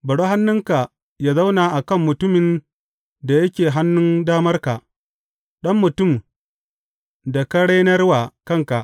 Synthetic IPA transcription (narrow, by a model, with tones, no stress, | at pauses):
bɐ˨ɽoː˦ɦa˦nːʊ˦ŋka˨ | jaː˦za˦wnaː˨ʔa˨kɐ˦˨mːʊ˨tʊ˦mɪ˨n | da˨jɐ˦kʲeː˨ɦa˦nːʊ˦ndaː˦mɐ˦rka˨ʔ | ɗɐ˦mːʊ˨tʊ˦˨m | da˨kɐ˦ɽe˦nɐ˦rwaː˨kɐ˦ŋka˨ʔ